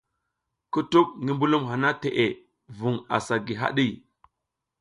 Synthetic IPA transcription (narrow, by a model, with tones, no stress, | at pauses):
ku˦tu˦k̚ŋi˦mbu˦lu˦mɦa˨na˦te˨ʔe˨ | vu˨ŋa̰˨sa˨ɡi˨ɦa̰˦ɗi˦˨